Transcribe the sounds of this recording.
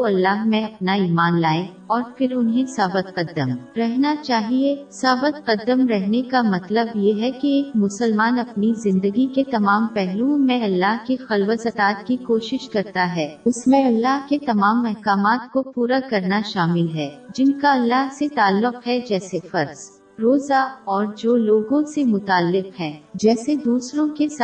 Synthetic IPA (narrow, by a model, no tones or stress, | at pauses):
oɐlːaːɦmẽɐpnaiːmaːnlaːẽ | ɔːɾfɪɾʊnɦisaːbət̪̚qɐd̪ːəmɾɛɦnat͡ʃaːɦiesaːbət̪qɐd̪ːəmɾɛɦnekamɐt̪ləbjeɦɛkieːkmʊsəlmaːnɐpnizɪ̃nd̪əɡiket̪ɐmaːmpɛɦlũmẽɐlːaːɦkixɐlwəsɐt̪aːt̪kikoːʃɪʃkɐɾt̪aɦɛːʊsmẽɐlːaːɦket̪ɐmaːmɐɦkaːmaːt̪kopuːɾakɐɾnaʃaːmɪlɦɛːd͡ʒɪnkaɐlːaɦset̪aːlːʊqɦɛd͡ʒɛːsefɐɾz̥ | ɾoːzaɔːɾd͡ʒoːloːɡõsemʊt̪aːlːɪqɦɛ̃ːd͡ʒɛːsed̪uːsɾõkes